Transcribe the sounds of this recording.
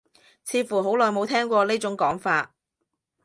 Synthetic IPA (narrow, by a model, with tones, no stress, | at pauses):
t͡sʰiː˨˧˥fuː˨˩ɦo˨˥wlɔː˨˩jmo˨˧wt̪ʰɛː˥ŋkʷwɔː˧leː˥t͡sʊ˨˥ŋkɔː˨˥ŋfaː˧t̚